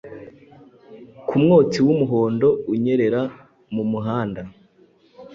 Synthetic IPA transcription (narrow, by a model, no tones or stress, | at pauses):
kʰumŋoːt͡siwumuɦo̞ːndo̞uɲe̞ɾe̞ɾa | mumuɦaːnda